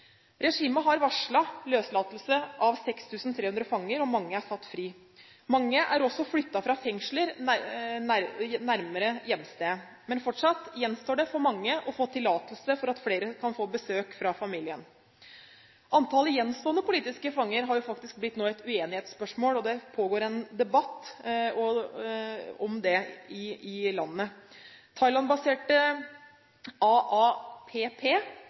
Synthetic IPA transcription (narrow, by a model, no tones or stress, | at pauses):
ɾɛʂiːməɦɑɾʋɑʂɭɑløːslɑːt̪lsəʔɑʋsɛkst̪ʰʉːsn̩t̪ʰɾeːʉnd̪ɾəfɑŋːəɾɔmɑŋːəæɾsɑt̪ːfɾiː | mɑŋːəʔæɾɔsːɔflʏt̪ːɑfɾɑfɛŋʂɭəɾ | ænæɾməɾəjɛmːst̪eːə | mɛnfɔʈʂɑt̪jɛnst̪oːɖɛfɔɾmɑŋːəʔɔfoːt̪ʰɪlɑːt̪əl̩səfɔɾɑt̪fleːɾəkʰɑnfoːbəsøːkfɾɑfɑmiːlɪən | ʔɑnt̪ʰɑːləjɛnːst̪oːənəpʊliːt̪ɪskəfɑŋːəɾɦɑɾjʊfɑkt̪ɪsk̚blɪt̪ːnoːɛt̪ʉeːnɪheːt̪spœʂmoːlɔd̪ɛpʰoːɡoːɾɛnd̪ɛbɑt̪ːɔ | ɔmd̪ɛɪɪlɑnːət̪ʰɑɪlɑnbɑseːʈə | ɑːɑːpʰeːpʰeː